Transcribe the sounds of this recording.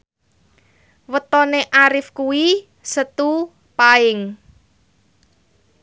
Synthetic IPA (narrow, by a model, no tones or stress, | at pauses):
wət̪ɔneʔaɾɪfkuwi | sət̪u | paɪŋ